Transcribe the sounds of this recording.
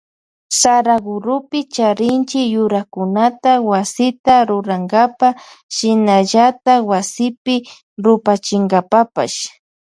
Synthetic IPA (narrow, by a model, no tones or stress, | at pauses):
saɾaɡʊɾʊpɪt͡ʃaɾɪnt͡ʃɪjʊɾakʊnat̪awasɪt̪aɾʊɾaŋɡapa | ʃɪnaʎat̪awasɪpɪ | ɾʊpat͡ʃɪŋɡapapa̰ʃ